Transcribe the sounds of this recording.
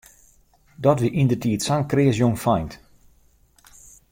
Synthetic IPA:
dɔtʋiʔindətiətsaŋkrɪːəs̬joŋfajnt

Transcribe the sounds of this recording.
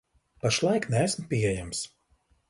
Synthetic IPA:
paʃlˠɑjknʲæːsmpʲiɛjæms

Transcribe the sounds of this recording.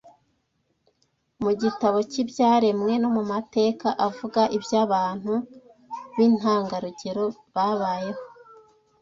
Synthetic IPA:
muɟitaβo̞cibjaːɾe̞mŋe̞no̞mumate̞ːkaʔavuɡaʔibjaβaːn̥hu | βiːn̥haːŋɡaɾuɟe̞ɾo̞ | βaβaːje̞ho̞

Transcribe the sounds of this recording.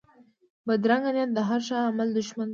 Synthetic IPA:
bad̪ɾaŋɡanjat̪̚d̪əɦaɾʃɑːmald̪ʊʃman

